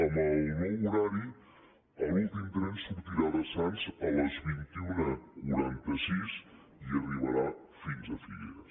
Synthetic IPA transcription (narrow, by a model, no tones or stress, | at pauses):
əməlˠnɔwuɾaɾi | əlulˠt̪imd̪ɾɛnsuɾt̪iɾaðəsanzələzβint̪iunəkuɾant̪əsis | iəriβəɾa | finzəfiʎəs